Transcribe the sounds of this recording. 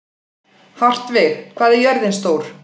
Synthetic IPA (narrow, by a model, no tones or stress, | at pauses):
far̥t̪vɪðkʰvaːðɛɾjœɾðɪnst̪oːwɾ̥